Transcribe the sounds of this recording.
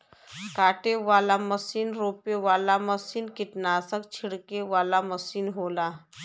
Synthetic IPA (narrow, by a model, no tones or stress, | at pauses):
kaːʈeʋaːlaməsiːnɾoːpeʋaːlaməsiːnkɪʈnaːsəkt͡ʃʰɪɽkeʋaːlaməsiːnɦoːlaː